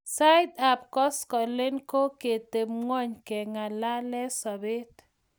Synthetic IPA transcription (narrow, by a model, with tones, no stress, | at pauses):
sa˦ɪd̪a˨p̚kɔ˦skɔ˨le˦nko˦ke˨t̪e˨mŋɔ˦ɲke˨ŋa˨la˦lɛ˦sɔ˨bɪ˦t